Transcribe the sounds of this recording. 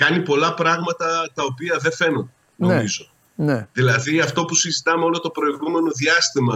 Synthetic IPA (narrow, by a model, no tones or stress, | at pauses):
kɐnipo̞lɐpɾɐɣmɐt̪ɐt̪ɐo̞piɐðe̞fe̞no̞nd̪eeno̞mizo̞ | neðilɐðiɐft̪o̞pusizit̪ɐmeo̞lot̪o̞pɾo̞iɣume̞no̞ðiɐst̪imɐ